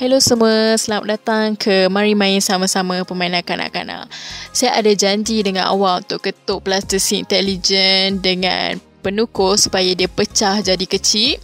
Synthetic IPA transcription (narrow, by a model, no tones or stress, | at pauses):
hɛlosəmuəsəlama̰t̪̚dat̪aŋkʰəmãɾimãɪnsamãsamãpəmãinãnkana̰ʔka̰na̰ʔsajaʔadad͡ʒaɲd͡ʒidəŋa̰na̰walunt̪ʊʔkət̪ʊʔplast̪isiḭnt̪ɛlid͡ʒəndəŋã̰n | pənukʊsu̥pajadiapət͡ʃahd͡ʒadikət͡ʃi